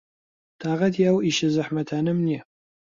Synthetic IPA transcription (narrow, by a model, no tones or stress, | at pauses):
t̪ʰaːʁɐt̪ʰjaːwiʃɐzɐħmɐt̪ʰaːnɐmnijɛ